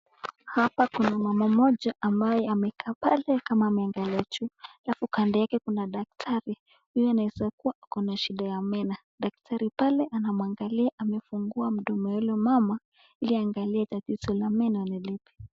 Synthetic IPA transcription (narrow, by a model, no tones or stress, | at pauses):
hapakunamamamɔʄaʔambajɛamɛkʰaːpalɛkamaːmɛaŋɡaliat͡ʃualafukandɛjakɛkunaɗak̚tʰaɾi | hujɔanaɛsakuwaʔakɔnaʃiɗajamɛna | ɗak̚tʰaɾipalɛʔanamuaŋɡaliaʔamɛfuŋɡuam̩ɗɔmɛɛlɔmama | iliaŋɡaliatatiz̥ɔlamɛnanɛlipi̥